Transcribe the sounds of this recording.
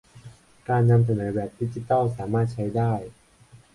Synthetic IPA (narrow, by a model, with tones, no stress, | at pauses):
kaː˧nːa˧ms̬a˧nɤː˩˦bɛː˨˩p̚di˦˥t͡ɕi˧t̪aː˥˩wsaː˩˦maː˥˩t̪̚t͡ɕʰa˦˥jdaː˥˩j